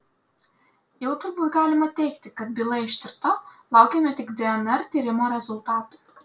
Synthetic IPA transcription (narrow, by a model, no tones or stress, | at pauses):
jɛʊt̪ʊɾbuːt̪ɡɑːlʲɪmɐt̪ʲɛɪkt̪ʲɪkɐt̪̚bʲɪlˠɐɪʃʲt̪ʲɪɾt̪ɐlˠɑˑʊkʲɛmʲɛt̪ʲɪkd̪ʲɛɛnɛɾt̪ʲiːɾʲɪmɐɾʲɛzʊlˠt̪ɑːt̪ʊ